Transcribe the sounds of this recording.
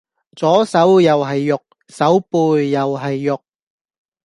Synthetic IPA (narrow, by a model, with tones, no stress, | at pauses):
t͡sɔː˨˥sɐ˨˥wjɐ˨wɦɐ˨jːʊ˨k̚ | sɐ˨˥wpuː˧jːɐ˨wɦɐ˨jːʊ˨k̚